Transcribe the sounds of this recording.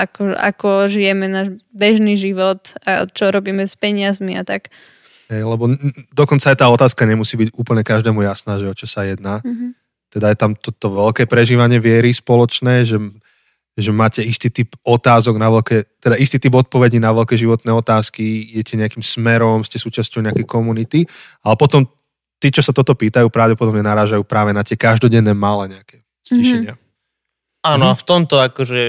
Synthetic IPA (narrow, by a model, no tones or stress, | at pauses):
akɔ̰a̰kɔʒijɛmɛnaːʒbɛʒniʒiʋɔt̪a̰t͡ʃɔɾɔbiːmɛspɛɲɪazmiat̪ak | ɦɛjlɛbɔd̪ɔkɔnt͡saajt̪aːɔt̪aːskaɲɛmusiːbiɟuːpl̩ɲɛkaʒd̪ɛːmujasnaːʒɛɔt͡ʃɔsajɛd̪naː | t̪ɛd̪ajɛt̪amt̪ɔt̪ɔʋɛlkɛːpɾɛʒiːʋaɲɪɛʋɪɛɾispɔlɔt͡ʃnɛːʒɛ | ʒɛmaːcɛist̪iːt̪ipɔt̪aːzɔɡnaʋɛlkɛːt̪ɛd̪aʔist̪iːt̪ibɔt̪̚pɔʋɛɟinaʋɛlkɛːʒiʋɔt̪nɛːɔt̪aːskijɛcɛɲɛakimsmɛɾɔmscɛsuːt͡ʃascɔʊɲɛakɛkɔmunit̪i | alɛpɔt̪ɔm | t̪iːt͡ʃɔsat̪ɔt̪ɔpiːt̪ajuːpɾaʊɟɛpɔd̪ɔbɲɛnaɾaːʒajuːpɾaːʋɛnat̪ɪɛkaʒd̪ɔɟɛnːɛːmalɛɲɛakɛ | sciʃɛɲɪa | anɔaft̪ɔmt̪ɔakɔʒɛ